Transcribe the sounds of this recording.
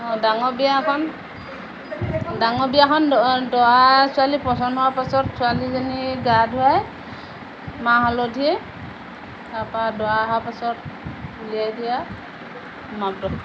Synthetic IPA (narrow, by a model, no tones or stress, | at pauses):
ɔdaŋɔbijakʰɔn | daŋɔbijakʰɔndɔwasʊalipɔsɔnɔwapasɔtsʊalizɔniɡadʱuaj | maɦɔlodʱiɛ | apadɔaɦapasɔt̚ulijajdija | mab̚dɔ